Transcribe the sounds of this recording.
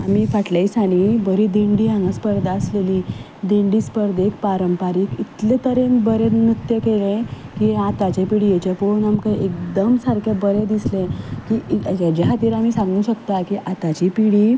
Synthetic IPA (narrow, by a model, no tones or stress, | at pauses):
amiːfaʈlaisaɽ̃ibəɾiːd̪iɳɖiːãŋɡəspəɾd̪aəsleliː | d̪iɳɖiːspəɾd̪ekpaɾəmpaɾiːkit̪let̪əɾenbəɾenit̪jəkelẽkiat̪at͡ɕepiɽiːjet͡ɕaponamkəʔek̚d̪əmsaɾkʰebəɾed̪islẽkid͡ʑeɦat̪iːɾam̤iːsãŋɡũːɕəkt̪akiʔat̪at͡ɕipiɽiː